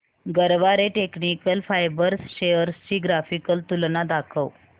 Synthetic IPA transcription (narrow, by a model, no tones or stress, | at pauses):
ɡəɾʋaɾeʈeknikəlfajbəɾsɕejəɾsɕiːɡɾafikəlt̪ulnad̪akʰəw